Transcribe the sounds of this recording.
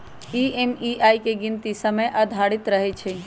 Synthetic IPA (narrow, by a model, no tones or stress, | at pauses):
iːemiʔaːikeɡɪnt̪isəməjʔəd̪ʱaːɽɪt̪ɾəɦet͡ʃʰe